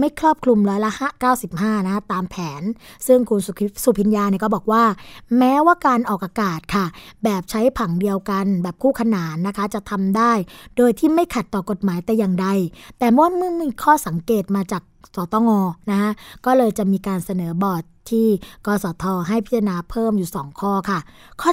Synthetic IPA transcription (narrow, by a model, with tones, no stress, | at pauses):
ma˥˩jkʰɾɔː˥˩p̚kʰlu˧mɾɔː˦˥jla˦˥haː˥˩kaː˥˩wsi˨˩p̚haː˥˩na˦kʰa˦˥t̪aː˧mpʰɛː˩˦nsɯ˥˩ŋkʰu˧nsu˨˩˦su˨˩pʰi˨˦njaː˧ni˧˩kɔː˥˩bɔː˨˩k̚waː˥˩mɛː˦˥waː˥˩kaː˧nʔɔː˨˩k̚ʔaː˧kaː˨˩t̪̚kʰa˥˩bɛː˨˩p̚t͡ɕʰa˦˥jpʰa˩˦ŋdi˧əwka˧nbɛː˨˩p̚kʰuː˥˩kʰa˧naː˩˦nːa˦˥kʰa˦˥t͡ɕa˨˩t̪ʰa˧mdaː˥˩jdoː˧jt̪ʰiː˥˩ma˥˩jkʰa˨˩t̪ːɔː˨˩ko˨˩t̪̚maː˩˦jt̪ɛː˨˩ja˨˩ŋda˧jt̪ɛː˨˩mɔ˥˩wa˥˩mɯ˥˩˨mi˥˧kʰɔː˥˩sa˩˦ŋkeː˨˩t̪̚maː˧t͡ɕaː˨˩k̚sɔː˨˩˦t̪ɔː˧ŋɔː˧na˦˥kʰa˦˥kɔː˥˩lɤː˧jt͡ɕa˨˩miː˧kaː˧nsa˧nɤː˩˦bɔː˨˩t̪ʰːiː˥˩kɔː˧˩sɔː˩˦t̪ʰɔː˧ɦa˥˩jpʰi˦˥t̪ʰːnaː˧pʰɤː˥˩mjuː˨˩sɔː˩˦ŋkʰɔː˥˩kʰa˥˩kʰɔː˥˩